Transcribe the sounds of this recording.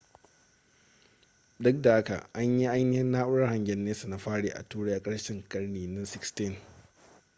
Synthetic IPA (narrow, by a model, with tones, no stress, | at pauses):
dʊ˦k̚da˨ha˦ka̰˨ʔa˦ɲji˦ʔa˦jnɪ˦hɪ˦nːaː˦ʔʊ˦ɽɐ˦rha˨ŋɡʲɛ˨nːeː˦su˨na˨ɸaː˦ɽeː˨ʔa̰˨tuː˦ɽe˦ʔa˨kʼɐ˦ɽʃɪ˦ŋkɐ˦ɽniː˨nɪ˦nsɪ˦kstɪ˦˨n